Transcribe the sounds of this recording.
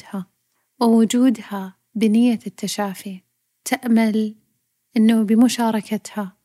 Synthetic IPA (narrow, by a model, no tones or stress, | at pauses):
ha | wɪwʊd͡ʒuːd̪ha | bɪnɪjːat̪ːaʃaːfi | t̪ʰaʔmal | ʔɪnːabɪmʊʃaːɾˤɑkat̪ha